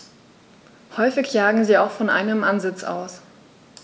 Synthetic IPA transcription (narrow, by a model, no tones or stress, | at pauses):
hɔʏfɪçjaːɡŋ̩ziːaʊxfɔnʔa̰ɪnəmʔanzɪt͡sʔa̰ʊs